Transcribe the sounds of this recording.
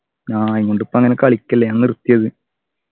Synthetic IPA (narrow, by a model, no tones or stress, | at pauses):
aːŋkoɳɖupːoːɐŋːɐnekːɐɭikʲːɐlːeɐnːirut̪ːijɐðɨ